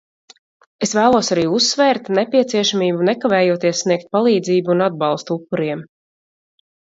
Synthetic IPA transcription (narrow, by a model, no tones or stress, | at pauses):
esvæːlˠuɔsaɾiːusːvɛːɾt̪nɛpʲiɛt̪siɛʃamiːbunɛkavɛːjuɔt̪iɛssːniɛk̚t̪̚palˠiːd̪ziːbuːnad̪̚bɑlˠst̪uupːuɾiɛm